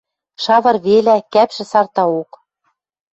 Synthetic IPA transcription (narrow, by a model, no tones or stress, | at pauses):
ʃɑβɤ̆rβelækæpʃɘ̆sɑrt̪ɑok